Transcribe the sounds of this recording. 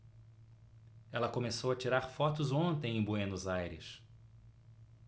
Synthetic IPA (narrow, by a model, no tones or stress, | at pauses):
ɛlɐkomesowɐt͡ʃiɾaɾfɔt̪ʊzõnt̪ẽj̃ẽj̃bwenʊzajɾɪ̰s